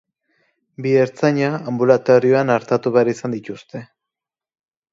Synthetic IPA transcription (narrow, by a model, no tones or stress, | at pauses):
bieɾt͡saɲaːmbulat̪oɾio̞anaɾt̪at̪uβeaɾisand̪it̪ust̪e̞